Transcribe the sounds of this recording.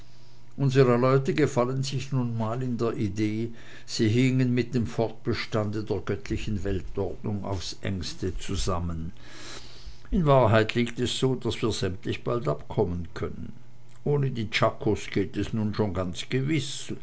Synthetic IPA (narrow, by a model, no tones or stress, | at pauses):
ʔʊnzəʁəlɔʏtəɡəfalənzɪçnuːnmaːlɪndeːɐʔideː | z̥iːɦɪŋənmɪt̚d̥eːmfɔɐt̚b̥əʃtandədeːɐɡœtʰlɪçn̩vɛltɔɐdnʊŋa̰ʊfsʔɛ̰ŋstət͡suzamən | ɪnvaːɐɦaɪtʰliːktɛsz̥oːdasv̥iːɐz̥ɛmtlɪçb̥altapkʰɔmənkʰœnən | ʔoːnədiːt͡ʃakʰosɡ̥eːtɛsnuːnʃoːnɡant͡sɡ̥əvɪs